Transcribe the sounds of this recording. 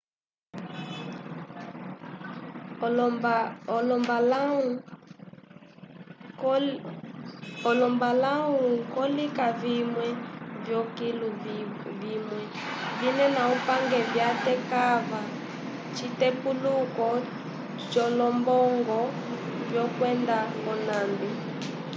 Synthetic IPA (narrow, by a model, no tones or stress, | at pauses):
lɔmbalau | ɔlɔmbalaukɔlikavimwɛvjɔkiluvimwɛ | vinɛnaupaŋɡɛvjatɛkava | t͡ʃitɛpulukɔ | t͡ʃɔlɔmbɔŋɡɔ | vjɔkwɛndaɔnambu